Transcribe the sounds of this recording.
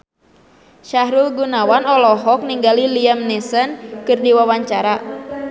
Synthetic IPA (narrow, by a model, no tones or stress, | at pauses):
ʃaɦɾulɡunawanɔlɔɦɔk̚niŋɡaliliamnɛsənkɨrdiwawaɲt͡ʃaɾa